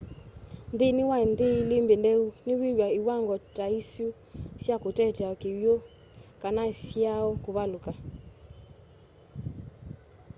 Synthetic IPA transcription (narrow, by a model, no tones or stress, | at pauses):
nd̪enɪwaendelɪmbendɛunɪwiɾwaiwaŋɡɔtaisju | sjakotɛtaɔkewjo | kanasiaɔkoβaloka